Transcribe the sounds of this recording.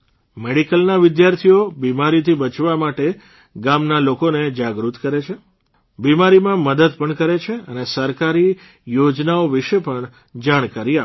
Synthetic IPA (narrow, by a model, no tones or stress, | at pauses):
meɽikəlnaʋɪd̪jaɾt̪ʰijobimaɾit̪ʰibət͡ʃʋamaʈe | ɡamnalokoned͡ʒaɡɾut̪kəɾet͡ʃʰe | bimaɾimãməd̪əd̪pəɳkəɾet͡ʃʰeənesəɾkaɾi | jod͡ʒnaoʋiʃepəɳ | d͡ʒaɽ̃kaɾia